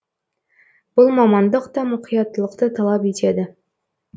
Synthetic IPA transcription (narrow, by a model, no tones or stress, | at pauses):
b̥ʊlˠmɑmɑnd̪əqt̪ɑmʊqʰijɑt̪ːəlˠəq̚t̪ət̪ʰɑlˠɑpit̪ed̪ɪ